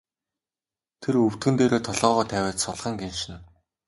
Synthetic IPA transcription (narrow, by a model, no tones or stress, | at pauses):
t̪ʰerɵw̥t̪̚ɡɘ̆nt̪eːɾeːt̪ʰɔɮɔːʁɔːt̪ʰæːwæːt͡ɕsʊɮʁə̆ŋɡenʃɪ̆n